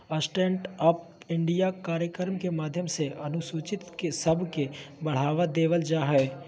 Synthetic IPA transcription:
əsʈẽːɳʈəp | ɪ̃ɳɖijakaːɾjəkəɾmkemaːd̪ʱjəmseʔɐnʊsuːt͡ʃɪt̪kesəbʱkebɐɽ̤aːʋad̪eːʋəld͡ʒaːɦɛː

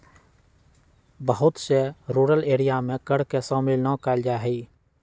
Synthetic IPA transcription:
bəɦʊt̪seɾuːɾəleːɾijamẽkəɽ̤kesɔ̃ːmɪlnɔ̃kaːld͡ʒaːɦɛiː

